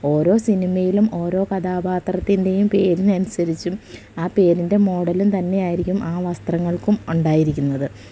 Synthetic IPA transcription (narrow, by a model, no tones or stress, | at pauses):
o̞ːɾo̞ːsinimɐjilumo̞ːɾo̞ːkɐd̪aːbaːt̪rɐt̪ːinde̞jumpe̞ːɾinɐnisɐɾit͡ɕːum | aːpe̞ːɾinde̞mo̞ːɽɐlumt̪ɐnːe̞jaːjiɾikʲːumʔaːʋɐst̪rɐŋːɐɭkumuɳɖaːjiɾikʲːunːɐðɨ